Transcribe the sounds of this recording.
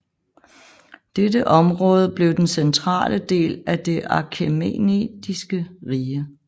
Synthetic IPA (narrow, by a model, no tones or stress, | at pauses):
d̥edəʔɒ̽mʁɔ̽ːð̞ˠəb̥le̝ʊd̥ensent͡sʰʁɑ̰̈ːlʔəd̥e̝̰ːlæd̥e̝ʔɑ̈kʰemḛːnḛd̥isɡ̥əʁiːə